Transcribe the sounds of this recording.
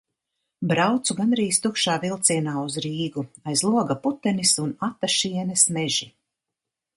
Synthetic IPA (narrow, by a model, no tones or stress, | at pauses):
bɾawt̪suɡanɾiːst̪ukʃaːvilˠt̪siɛnaːuzɾiːɡuajzlˠuɔɡaput̪ɛnisunat̪aʃiɛnɛsmɛʒi